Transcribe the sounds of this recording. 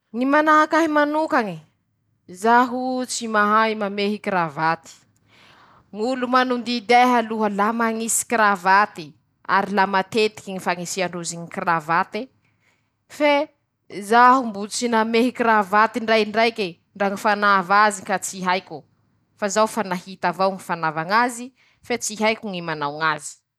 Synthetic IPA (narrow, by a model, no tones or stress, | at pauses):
nimanaɦakaɦimanukaŋi | zaɦut͡simaɦaimameɦikɾavat̪i̥ | ŋulumanund̪id̪eɦaluɦəlamaŋisi̥kɾavat̪i | a̰ɾilamat̪et̪i̥kʲiŋifaŋisiaɳɖ͡ʐuziɲikravat̪e | fe | zaɦumbut͡sinameɦikiɾavat̪iɳɖ͡ʐajɳɖ͡ʐajke | ɳɖ͡ʐaŋifanavazikat͡siɦajkʲu | fazawfanahit̪avawŋifanavaŋazi | fet͡siɦajkʲuŋimanawŋazi̥